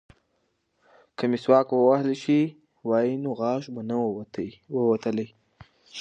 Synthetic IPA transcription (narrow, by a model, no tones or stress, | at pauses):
kəmeswɑkwəwahliʃi | wɑjinoɣɑʃbana | wəwat̪əle